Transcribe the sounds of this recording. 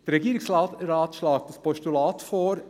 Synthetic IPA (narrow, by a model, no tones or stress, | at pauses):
d̥ɛɾɛɡiːɾɪksɾɑːtɾɑːt̪ʃlɑːk̚d̪̥ɑspʰɔʃtulɑːt̪foːɾ